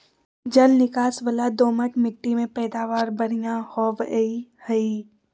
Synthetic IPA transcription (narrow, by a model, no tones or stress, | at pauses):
d͡ʒɐlnɪkaːsbəlad̪oːməʈmɪʈːimẽpɛːd̪aːʋaːɾbɐɽijãhɔːʋeihɐi